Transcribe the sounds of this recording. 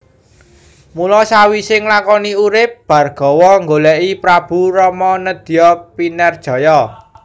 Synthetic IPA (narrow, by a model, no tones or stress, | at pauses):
mulɔsawisɪŋlakɔniuɾɪp̚b̥ä̤rɡ̥ɔ̤wɔŋɡolɛʔipɾab̥ṳɾɔmɔnəd̪̥i̤jɔpinɛrd̥ʒ̥ɔ̤jɔ